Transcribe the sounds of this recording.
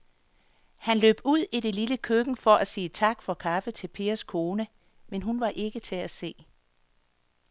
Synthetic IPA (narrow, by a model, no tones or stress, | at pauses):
hænlø̰ːb̥uð̞̰ˠiɾ̥e̝liləkʰøɡ̥ŋ̩fɒ̽ʔæsiːt͡sʰɑ̈ɡ̥fɒ̽kʰɑ̈fət͡sʰe̝lpʰe̝̰ːɐskʰo̝ːnə | menɦunʋɑ̈ʔe̝ɡ̥ət͡sʰe̝æse̝̰ː